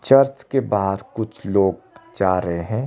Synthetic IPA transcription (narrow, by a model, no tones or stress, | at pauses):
t͡ʃɐɾt͡ʃkebaːɦəɾkʊt͡ʃʰloːɡ | d͡ʒaːɾəɦeɦɛ̃ː